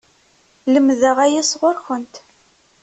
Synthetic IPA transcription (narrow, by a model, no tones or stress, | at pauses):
ləmðəʁæjæsʁʊɾxənt̪